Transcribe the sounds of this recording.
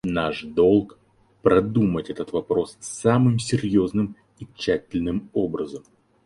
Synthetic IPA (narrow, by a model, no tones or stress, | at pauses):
naʂd̪o̞lˠk | pɾɐd̪umətʲɛt̪ət̪vɐpɾo̞ssamɨmsʲɪɾʲjo̞znɨm | it͡ɕːætʲɪlʲnɨmo̞bɾəzəm